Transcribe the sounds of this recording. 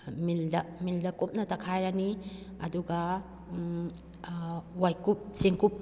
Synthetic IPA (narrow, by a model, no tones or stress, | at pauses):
mildɐmildɐkup̚nɐtɐkʰajɾɐniɐ̰duɡɐ | wajkup̚seŋkup̚